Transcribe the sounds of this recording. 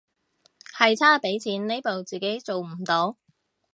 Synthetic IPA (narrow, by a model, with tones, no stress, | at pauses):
hɐ˨jt͡sʰaː˥pe˨˥jt͡sʰiː˨˥nne˥jpo˨wt͡siː˨ke˨˥jt͡so˨wm̩˨˩t̪o˨˥